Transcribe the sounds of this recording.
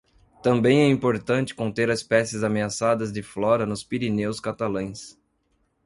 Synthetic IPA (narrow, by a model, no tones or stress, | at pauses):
t̪ɐ̃mbẽj̃ɛĩpoɾt̪ɐ̃t͡ʃɪ̥kõnt̪eɾɐspɛsɪzameasad̪ɐzd͡ʒɪflɔɾɐnʊspiɾinewskat̪alɐ̃j̃s